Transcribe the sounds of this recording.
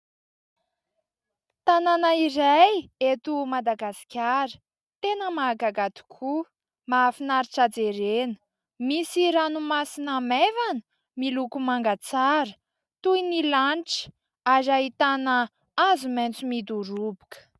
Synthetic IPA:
t̪ananaiɾajet̪umad̪aɡasi̥kʲaɾə̥ | t̪enəmaːɡaɡad̪i̥kʰu | maːfinaɾiʈ͡ʂad͡zeɾenə̥ | misiɾanumasinamevanə̥ | milukumaŋɡat͡saɾə | t̪uinilanʈ͡ʂə̥ | azaɦit̪anə | azument͡sumid̪uɾubu̥kə̥

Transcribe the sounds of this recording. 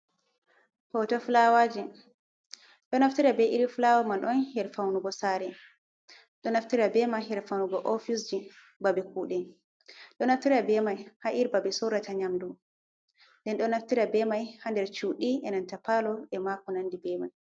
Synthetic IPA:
pɔwtɔflawad͡ʒi | ɗɔnaftiɾabɛʔiɾiflawamanɗɔnhɛɾfawnuɡɔsaɾɛ | ɗɔnaftiɾabɛmaɦɛɾfawnuɡɔʔɔfisd͡ʒi | babɛkuɗɛn | ɗɔnaftiɾabɛmajhaʔiɾbabɛsɔwɾataɲamdu | ndɛnɗɔnaftiɾabɛmajhandɛɾt͡ʃuɗiʔɛnantapalɔɛmakɔnandibɛmaj

